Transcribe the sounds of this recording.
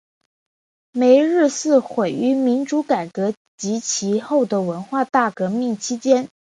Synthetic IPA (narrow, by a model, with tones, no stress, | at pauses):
me˧˥ɪɻ̩˥˧sɹ̩˥˩xwe˨˩ɪy˧˥mi˧˥nʈ͡ʂu˧˥ka˨˩ɪkɤ˧˥ | t͡ɕi˧˥t͡ɕʰi˧˥xo˥˩ʊd̪ə˩wə˧˥nxwa˥˧t̪a˥˩kɤ˧˥mi˥˩ŋt͡ɕʰi˥t͡ɕjɛ˥n